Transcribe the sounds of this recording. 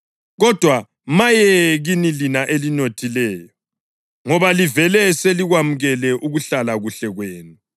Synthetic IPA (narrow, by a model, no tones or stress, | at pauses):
ɣɔd̥ʱwa | majɛɣinilinaʔelinotʰilɛːjɔ | ŋɔβalivɛlɛseliɣwamuɣɛlɛʔuɣuɬalaɣuɬɛɣweːnu